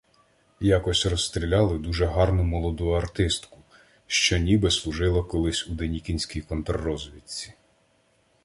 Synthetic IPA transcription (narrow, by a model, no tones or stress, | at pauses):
jɑkɔsʲrɔsst̪ɾʲilʲɑlˠɪd̪uʒɛɦɑrnʊmɔlˠɔd̪ujɐrt̪ɪst̪kʊ̥ | ʃt͡ʃɔnʲibɪslˠuʒɪlˠɐkɔlˠɪsʲud̪enʲikʲinʲsʲkʲijkɔnt̪ɾɐːɔzʋʲit̪ʲt͡sʲi̥